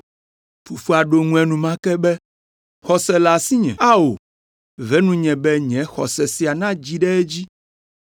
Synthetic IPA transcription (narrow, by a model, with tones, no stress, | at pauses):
fu˨fu˦a˨ɖo˨ŋũ˦ɛ˨nũ˨mã˦kɛ˦bɛ˦ | xɔ˨sɛ˨la˨si˦ɲɛ̰̃˨a˦wo˨ | vɛ˦nũ˦ɲɛ̃˨bɛ˦ɲɛ̃˨˦xɔ̰˨sɛ˨si˨a˨nã˦d͡ʑi˦ɖɛ˦ɛ˦d͡ʑi˦